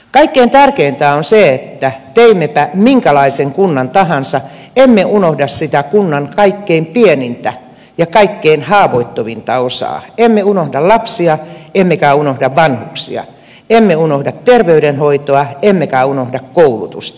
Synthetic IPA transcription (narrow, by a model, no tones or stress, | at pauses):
kɑikːeint̪ærkeint̪æːonseet̪ːæt̪eimːepæmiŋkælɑiseŋkunːɑnt̪ɑhɑnsɑ | emːeunohdɑssit̪ækunːɑnkɑikːeimpienint̪æ | jɑkɑikːeinhɑːʋoit̪ːoʋint̪ɑosɑ̰ːemːeunohdɑlɑpsiɑemːekæunohdɑʋʋɑnhuksḭɑ̰ | emːeunohdɑt̪t̪erʋeyɾenhoit̪oɑemːekæunohdɑkkoulṵt̪ṵst̪